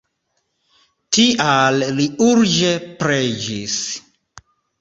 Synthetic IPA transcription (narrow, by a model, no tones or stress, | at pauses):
tiʔalliuɾd͡ʒepɾed͡ʒis